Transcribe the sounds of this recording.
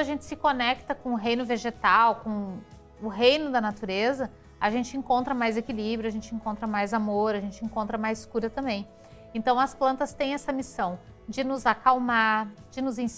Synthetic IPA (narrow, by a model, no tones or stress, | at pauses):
ɐʒẽnt͡ʃɪ̥sɪkonɛkt̪ɐkõʊɦẽj̃nʊveʒet̪awkõ | ʊɦejnʊd̪ɐnat̪uɾezɐ | aʒẽnt͡ʃɪẽŋkõnt̪ɾɐmajzekilibɾjʊɐaʒẽnt͡ʃɪẽkõnt̪ɾɐmajzamoɾɐʒẽnt͡ʃɪẽŋkõnt̪ɾɐmajzskuɾɐt̪ɐ̃mbẽj̃ | ẽnt̪ɐ̃w̃ɐsplɐ̃nt̪ɐst̪ẽj̃ɛsɐmisɐ̃w̃ | d͡ʒɪnʊzakawmaɾd͡ʒɪnʊzẽ